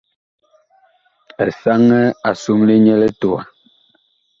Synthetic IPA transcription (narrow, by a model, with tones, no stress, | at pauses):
ɛ˨sa˦ŋɛ˦a˨su˦mli˦ɲɛ˦lɛ˦to˨a̰˨